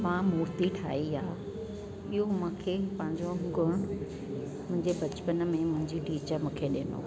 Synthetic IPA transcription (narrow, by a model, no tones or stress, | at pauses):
mãmuːɾt̪iʈʰa̰ːiaː | ɪɦomʊ̃ːkʰeːpɐ̃ɦɪ̃ɲd͡ʑoɡʱʊɽ̃ | mʊ̃ɦɪ̃ɲd͡ʑebɐt͡ɕpən̆mẽmʊ̃ɦɪ̃ɲd͡ʑiɖiːt͡ɕəmũːkʰeɗeːno̰ː